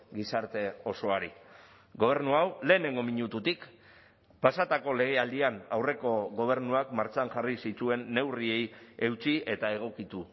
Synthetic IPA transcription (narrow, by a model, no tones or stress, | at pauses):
ɡisaɾt̪e̞o̞so̞aɾḭ | ɣo̞β̞e̞ɾnuawle̞ːne̞ŋɡo̞miɲut̪ut̪ik | pasat̪ako̞le̞ɣ̞e̞ald̪ianawre̞ko̞ɣo̞β̞e̞ɾnuakmaɾt͡ʃanʝarisit̪ue̞nːe̞wrie̞je̞wt͡sie̞t̪ae̞ɣ̞o̞kit̪u